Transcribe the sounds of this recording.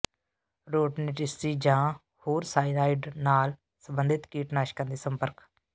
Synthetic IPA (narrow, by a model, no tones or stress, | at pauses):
ɾoːʈneʈɪsʈiːd͡ʒãː | hoːɾsaːilaːɪɖnaːl | səmbənd̪ʱɪt̪kiːʈnaːʃkənd̪iːsə̃mpəɾk